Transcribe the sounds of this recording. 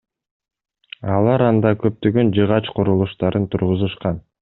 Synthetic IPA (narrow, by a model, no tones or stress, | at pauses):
ɑlˠɑɾɑnd̪ɑkø̞p̚t̪øɡønd͡ʒɯʁɑt͡ʃqʰuɾulˠuʃt̪ɑɾɯnt̪ʰuɾʁuzuʃqɑn